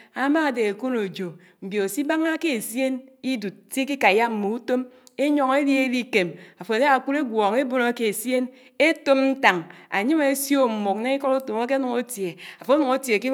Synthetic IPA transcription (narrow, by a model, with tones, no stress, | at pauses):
a˨ma˦a˨de˨e˨ku˦no˨d͡ʒo˨ | m̩˨bjo˨o˨si˦ba˦ŋa˦ke˦e˨sje˦ni˦du˨t̚se˦ki˦ka˨ja˦m̩˦˨mo˨u˦to˦me˦ɲɔ˨ŋe˦lji˦e˦li˦ke˨ma˨fo˨ne˦a˨ku˦ɾe˦ɡʷɔ˨ŋe˦bo˦no˦ke˨e˨sje˦n | e˦to˦mn̩˦ta˨ŋa˨ɲi˦me˦sjo˦˨m̩˨mu˨k̚ne˦i˦kɔ˦ɾu˦to˨o˦ke˦nu˨ŋo˦tje˨a˨fo˨˦nu˨ŋo˦tje˨ki˦